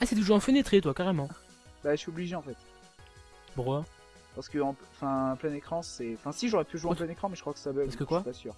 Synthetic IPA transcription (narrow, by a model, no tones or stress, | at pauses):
asɛd̪əʒweɑ̃fønet̪χet̪wakaʁemɑ̃ | baʃɥiɔbliʒeɑ̃fɛt̪ | puʁwa | paʁsə̥kəɑ̃ɑ̃fɛ̃plɛnekχɑ̃sɛɑ̃fɛ̃siʒoʁɛpyʒuweɑ̃pplɛ̃nekχɑ̃mɛʒəkχwaksabɛaskəkwapasyːʁ